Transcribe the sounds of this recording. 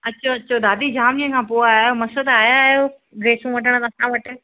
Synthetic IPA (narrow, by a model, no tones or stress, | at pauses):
ɐtːɕʰoɐtːɕʰod̪aːd̪ʱid͡ʑaːmijə̃kʰãːpoaːɦjomɐsəd̪aːjajo | ɡɾeːsũʋɐʈʰəɽ̃t̪ːsãʋɐʈɪ